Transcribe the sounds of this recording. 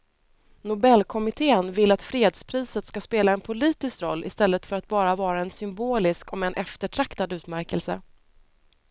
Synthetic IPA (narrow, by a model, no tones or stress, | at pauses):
nʊbɛlːkʰɔmɪt̪ʰeːənvɪlat̪fɾeːd̪spʰɾiːsət̪skaspeːlaɛnpʰʊliːt̪ɪskɾɔ̰lːʔɪ̰st̪ɛlːət̪fœɾat̪̚bɑːɾavɑːɾaɛnsʏmboːlɪskɔmɛnʔɛft̪əʈʰɾakt̪ad̪ʉ̟ːt̪mæɾkəlsə